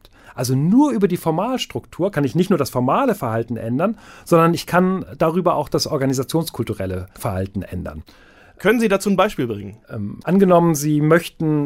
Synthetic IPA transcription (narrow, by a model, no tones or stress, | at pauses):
t | ʔalzonuːɐʔyːbɐdiːfɔɐmaːlʃtʁ̥ʊktʰuːɐkʰanɪçnɪçtnuːɐdasfɔɐmaːləfɛɐhaltn̩ʔɛ̰ndɐnz̥ɔndɐnɪçkʰand̥aːʁyːbɐʔa̰ʊxd̥asʔɔɐɡanizat͡sjoːnskʰʊltuʁɛləfɛɐha̰ltn̩ʔɛ̰ndɐ̰n | kʰœnənziːdat͡suːnbaɪʃpiːlbʁɪ̰ŋənʔɛmʔanɡənɔmənziːmœçtn̩